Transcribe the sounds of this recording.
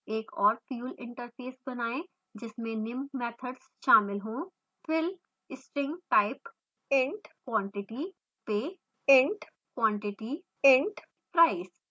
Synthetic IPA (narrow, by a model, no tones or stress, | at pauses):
eːkɔːɾfjuːlɪ̃ɳʈəɾfʰeːsbɐnaːẽ | d͡ʒɪsmẽnɪmmɛːt̪ʰəɖzʃaːmɪlɦõː | fʰɪl | ɪsʈɾɪ̃ŋɡʈaːɪp | ɛ̃ɳʈkwãːɳʈɪʈi | peː | ɛ̃ɳʈ | kwãːɳʈɪʈi | ɛ̃ɳʈ | pɾaːɪs